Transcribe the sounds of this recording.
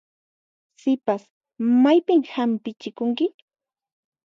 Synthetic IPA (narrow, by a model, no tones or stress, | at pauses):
sɪpas | majpɪmhampɪt͡ʃɪkʊŋkɪ